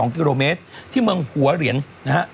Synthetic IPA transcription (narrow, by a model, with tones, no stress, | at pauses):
ɔː˩˦ŋk̬iː˧ɾoː˧meː˦˥t̪̚ʰːiː˥˩mɯ˧əŋhu˩˦ɐɾi˩˦ənna˦˥ha˦˥ʔ